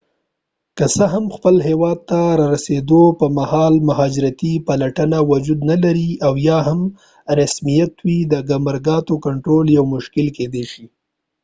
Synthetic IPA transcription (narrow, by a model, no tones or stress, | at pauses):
kəsəɦamxpəlɦewɑd̪̚t̪aɾɑɾased̪opəmahɑlmʊɦɑd͡ʒɪɾat̪ipalaʈənawʊd͡ʒud̪nalaɾiawjɑɦam | ɾasmijat̪wid̪əɡamaɾɡɑt̪okaɳʈɾoljawmʊʃkɪlked̪eʃi